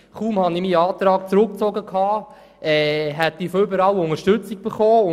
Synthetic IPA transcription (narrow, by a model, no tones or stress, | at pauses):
χuːmhɑnimiɑːt̪ɾɑːkt͡sɾʊk̚t͡sɔɡəkʰɑː | ʔɛːɦɛt̪ːifoʏbəɾɑwʊŋəɾʃtɵt͡sik̚b̥eχoːʊ